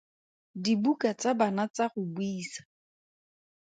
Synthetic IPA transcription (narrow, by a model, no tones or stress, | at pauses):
dibukat͡sabanat͡saχʊbwiːsḁ